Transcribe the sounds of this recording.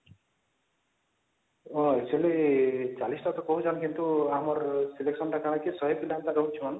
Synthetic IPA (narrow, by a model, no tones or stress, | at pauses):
oekt͡ʃʰualit͡ʃalisʈat̪ɔkɔɦud͡ʒanɔkint̪uamɔɾsileksɔnʈakaɽ̃akisɔɦepilamt̪aɾɔɦut͡ʃʰuman